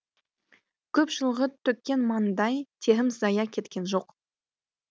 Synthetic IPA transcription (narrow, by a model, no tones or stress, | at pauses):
kʲʰɵpʒəlˠʁət̪ʰɵkʲːe̞nmɑnd̪ɑjt̪ʰe̞ɦɪmzɑjɑkʲʰe̞t̪kʲe̞nʒo̞q